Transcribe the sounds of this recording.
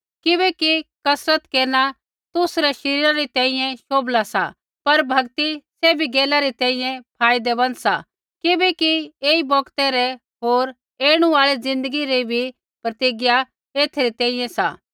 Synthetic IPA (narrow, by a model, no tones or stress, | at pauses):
kɪbɛkikɐsɾət̪keːɾna | t̪ʊsɾɛʃɐɾiːɾãɾit̪ɛ̃ːĩjɛ̃ʃoːblasa̰ | pɐɾbʱɐɡt̪isɛbʱiɡeːlaɾit̪ɛ̃ːĩjɛ̃pʰaːɪd̪ɛbɐnsa̰ | kɪbɛkieːibɔːkt̪ɛɾɛ | ɦoːɾ | eːɽ̃ũaːɭid͡zɪ̃nd̪əɡiɾibʱi | pɾɐt̪iɡɪja | eːt̪ʰɾit̪ɛ̃ːĩjɛ̃sa̰